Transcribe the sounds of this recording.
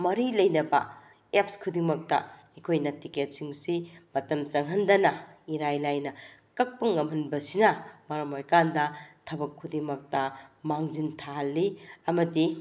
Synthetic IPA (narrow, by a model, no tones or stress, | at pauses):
mɐɾilɐjnɐbɐ̰ | ep̚skʰudimɐk̚tɐ̰ekʰojnɐtiket̚siŋsimɐtɐmt͡ʃɐŋɦɐndɐnɐiɾajlajnɐkɐk̚pɐŋɐmɦɐnbɐsinɐmɐɾɐmojkandɐtʰɐbɐkʰːudimɐk̚tɐmaŋd͡ʒintʰaɦɐlːiɐmɐdi